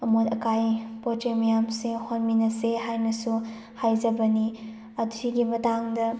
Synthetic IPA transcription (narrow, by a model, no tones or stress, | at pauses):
ɐmotɐkajpotemɐjamsehonminɐseɦajnɐsu | hajzɐbɐni | ɐtsiɡimɐtaŋdɐ